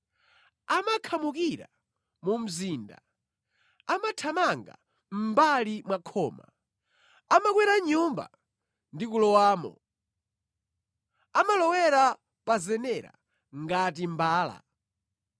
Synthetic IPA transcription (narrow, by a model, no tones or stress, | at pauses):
amakʰamukiɾa̰ | mum̩ziːnda̰ | amatʰamaŋɡa̰ | m̩balimwakʰɔːma̰ | amakwɛɾaɲumba̰ | ndikulɔwaːmɔ̰ | amalɔwɛɾa | pazɛnɛɾa̰ | ŋɡatimbaːla̰